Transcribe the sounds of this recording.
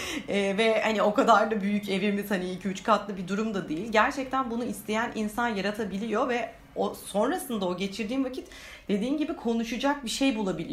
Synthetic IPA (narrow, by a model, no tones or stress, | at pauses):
ɛːvɛhanio̞kad̪aɾd̪abyjyce̞viɾmiz̥haniilʲcʰiyt͡ʃkʰat̪lˠɯbid̪uɾumd̪ad̪ejilʲɟæɾt͡ʃʰɛc̚t̪ʰænbunuist̪ʰe̞jænʔinsanjaɾat̪ʰabilʲijo̞vɛ | oso̞nɾasɯnd̪ao̞ɟe̞t͡ʃʰiɾd̪iːnvacʰit̪ | d̪̥e̞d̪iːnɟibikʰo̞nuʃud͡ʒak̚biʃe̞jbulˠabilʲḭ